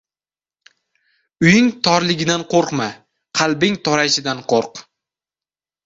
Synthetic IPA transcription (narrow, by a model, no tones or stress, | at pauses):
ʊjɪŋt̪ʰɒɾlɪɡʲɪd̪anqʰoɾqma | qʰɑlˠbɪŋt̪ʰɒɾajɪʃɪd̪anqʰoɾq